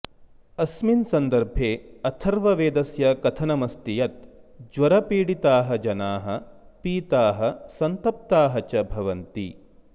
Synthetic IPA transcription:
ɐsminsɐnd̪ɐɾbʱeːɐt̪ʰɐɾʋɐʋeːd̪ɐsjɐkɐt̪ʰɐnɐmɐst̪ijɐt̪̚d͡ʒʋɐɾɐpiːɽit̪aːɦɐ̆d͡ʒɐnaːɦɐpiːt̪aːɦɐsɐnt̪ɐp̚t̪aːɦɐt͡ʃɐbʱɐʋɐnt̪ḭ

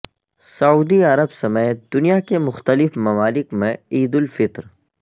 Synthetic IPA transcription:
sɐuːd̪iɐɾəbsɐmət̪̚d̪̥ʊnijakemʊxt̪əlɪfmɐmaːlɪkmẽiːd̪ʊlfɪt̪ɾ

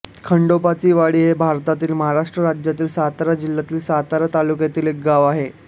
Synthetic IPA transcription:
kʰəɳɖopat͡siːʋaɽiːɦebʱaɾt̪at̪iːlməɦaɾaʂʈɾəɾad͡ʑjat̪iːlsat̪ɾad͡ʑilːat̪iːlsat̪aɾat̪alukjat̪iːlek̚ɡaʋaɦe

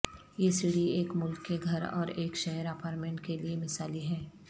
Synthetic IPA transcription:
jesɪɽieːkmʊlkːeɡʱɐɾɔ̰ːɾeːkʃɛɦəɾapʰaːɾmẽːɳʈkeliemɪsaːliɦɛ̃ː

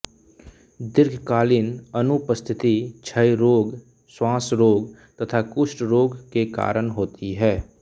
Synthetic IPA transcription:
d̪ɪɾɡʱkaːlɪnənupəst̪ʰɪt̪it͡ʃʰəjɾoːɡ | swãːsɾoːɡt̪ɐt̪ʰakʊʃʈɾoːɡkeka̰ːɾəɳɦoːt̪ʰiɦɛː

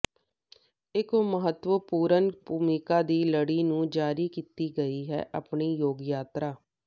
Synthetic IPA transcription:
ɪkməɦət̪wəpuːɾənbuːmɪkaːd̪iːləɽiːnũːd͡ʒaːɾiːkiːt̪iːɡəiːɦɛ̰ːʔəpɳiːjoːɡjaːt̪ɾaː

